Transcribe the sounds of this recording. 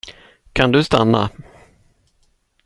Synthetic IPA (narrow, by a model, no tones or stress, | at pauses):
kʰand̪ɵst̪anːa̰